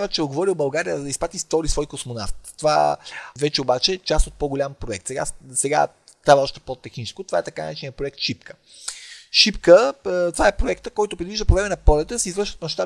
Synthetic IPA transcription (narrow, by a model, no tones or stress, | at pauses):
vət͡ʃɛoɡovɔɾiobɐlˠɡaɾijəzɐd̪ɐispɾat̪ist̪ɔɾisvɔjkosmona̰ft̪ːova̰vɛt͡ʃɛobat͡ʃɛt͡ʃast̪ot̪̚poɡoʊlʲampɾoɛk̚t̪sɛɡa̰sɛɡa̰ | st̪ɾavəɔʃt̪ɛ̥pot̪ɛxnit͡ʃɛskʊt̪ova̰ɛt̪ɐkanɐ̰ɾɛt͡ʃinijəpɾoɛk̚t̪ʃipkə̥ | ʃipkət̪ovaɛpɾoɛkt̪əkɔjt̪ʊpɾɛd̪viʒd̪əpovɾɛmɛnɐpɔlʲɛt̪əsɛizvəɾʃvət̪mɐʃt̪a